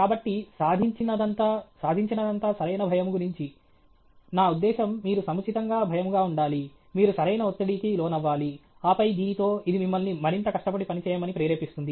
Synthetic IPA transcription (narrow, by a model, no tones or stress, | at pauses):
kaːbɐʈːisaːd̪ʱiɲt͡ʃinɐd̪ɐnt̪asaːd̪ʱiɲt͡ʃinɐd̪ɐnt̪aːsɐɾɐjnɐbʱɐjɐmɡuɾiɲt͡ʃi | naːud̪ːɛːʃɐmːiːɾusɐmut͡ʃit̪ɐŋɡaːbʱɐjɐmɡaːuɳɖaːli | miːɾusɐɾɐjnɐot̪ːɐɽiːkilɔːnɐʋːaːliaːpɐjd̪iːnt̪o̞ːid̪imimːɐlnimɐɾint̪ɐkɐʂʈɐpɐɽipɐnit͡ʃɛːjɐmɐnipɾɛːɾeːpist̪und̪i